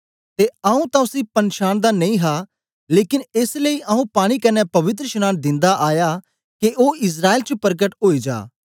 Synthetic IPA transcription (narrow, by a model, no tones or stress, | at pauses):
t̪eɐũt̪ãʊsĩpɐnʃaːñd̪anɐĩɦa | leːkɪneːsleiʔɐɦũpaːɽ̃ikɐnɛpɐʋɪt̪̬ɾəʃʊñaːnd̪ɪ̃nd̪aʔaːja | keʔoːɪs̬ɾaːeːlt͡ʃəpɐɾɡəʈɦoːid͡ʒa̰ː